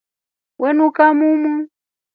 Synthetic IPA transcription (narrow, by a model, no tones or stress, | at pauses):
wɛnukamumu